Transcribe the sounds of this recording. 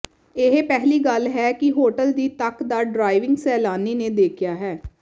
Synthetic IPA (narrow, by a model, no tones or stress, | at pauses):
ɪɦpɛːɦliːɡəlɦɛːkɪɦoːʈəld̪iːt̪əkd̪aːɖɾaːɪʋɪŋɡsɛːlaːniːneːd̪eːkʰjaːɦɛː